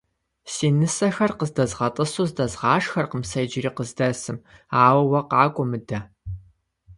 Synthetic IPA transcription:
siːnɨsɐxɐrqəzdɐzʁɐtʼɨsuːzdɐzʁɑːʂxɐrqəmsɐjd͡ʒɪriːqəzdɐsɨmaːwɐwɐqɑːkʷʼʊmɨdɐ

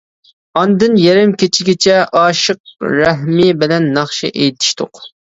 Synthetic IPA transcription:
ɑnd̪ɨnjɛɾɪmkʲʰet͡ʃʰɪɡʲɪt͡ʃʰɛʔɑːʃəq̚ɾɛɦmibɪlɛnːɑχʃḭʔejt̪ʰɪ̥ʃt̪ʰʊq

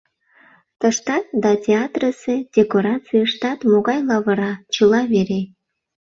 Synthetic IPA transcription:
t̪əʃt̪ɑt̪̚d̪ɑtʲeɑt̪rəsed̥ʲekoɾɑt͡sɨjəʃt̪ɑt̪moɣɑjlˠɑβə̆ɾɑt͡ɕəlɑβeɾe

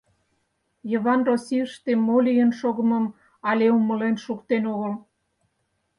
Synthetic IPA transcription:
jə̆βɑnrosʲiəʃt̪emolʲijənʃoɣə̆məm | ɑlʲeuməlenʃukt̪enoɣəl

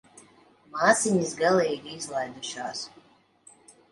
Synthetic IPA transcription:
maːt̪sʲiɲʲisɡalˠɛjiɾizlˠajd̪uʃaːs

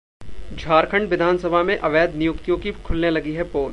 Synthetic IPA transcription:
d͡ʒʱaːɾkʰə̃ɳɖʋɪd̪ʱaːnsɐbʱamẽʔɐʋɛːd̪nɪjʊkt̪jõkikʰʊlnelɐɡiɦɛpoːl

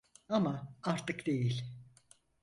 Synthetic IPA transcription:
amaaɾt̪ɯkd̪̥e̞jilʲ

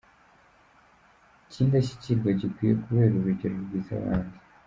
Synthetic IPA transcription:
cʰiːndaɕi̥ciɾɡwaɟikwiːjḛkuβe̞ːɾuɾuɟeɾuɾɡiːza̰βa̰ːndi̥

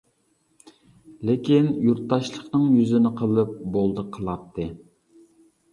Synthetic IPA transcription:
lɪkʲinjuɾt̪ːɑʃlˠəχnɨŋjyzɪnɪqʰəlˠɨp̚bolˠd̪ɨqʰəlˠɑp̚t̪ʰːɨ

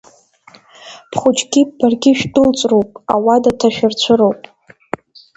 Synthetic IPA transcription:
pʰχʷʊt͡ʃʼɡʲibarɡʲɪʃᶣdɨlt͡sʷʼrowpʼawadatʰaʃᶣɪrt͡ɕʷʰɨɾowpʼ

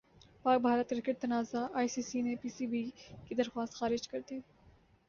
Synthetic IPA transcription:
paːk̚bʱaːɾət̪̚kɾɪkəʈ̚t̪ɐnaːzaʔaːisiːsinepiːsibikid̪ɐɾxwaːst̪xaːɾɪd͡ʒkɐɾt̪eː

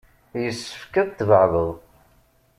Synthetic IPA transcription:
jəsːə̥fkæðt̪vəʕvəðˤ

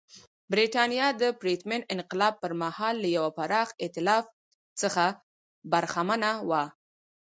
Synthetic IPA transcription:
bɾiʈɑnjɑd̪əpɾit̪mɪnɪnqɪlɑb̚pəɾmahɑlːajawapaɾɑxɪt̪ɪlɑf | t͡səxa | baɾxamanawa

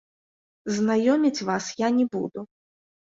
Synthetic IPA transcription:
znajɔmʲit͡sʲvasjanʲɛbṵd̪u

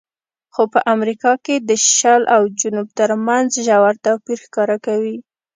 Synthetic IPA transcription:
xopəʔamɾikɑked̪əʃalʔawd͡ʒʊnub̚t̪əɾmanzʒawaɾt̪awpiɾxkɑɾakawi

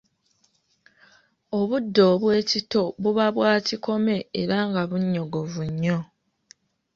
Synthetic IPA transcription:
o̞βudːo̞ːβwe̞ːcito̞βuβaβwaːciko̞me̞ːɾaŋɡaβuɲːo̞ɡo̞vuɲːo̞

